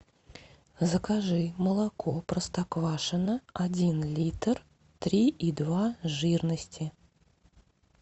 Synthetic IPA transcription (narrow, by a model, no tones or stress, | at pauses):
zəkaʐɨməlˠakʰopɾəst̪akvaʂənəadʲinlʲit̪r | t̪ɾʲiʔid̪vaʐɨrnəsʲtʲɪ